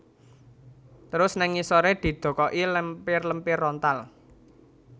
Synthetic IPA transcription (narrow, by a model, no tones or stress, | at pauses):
t̪əɾʊsnaŋisoɾed̪̥i̤d̪̥o̤kɔʔiləmpɪrləmpɪrɔnt̪al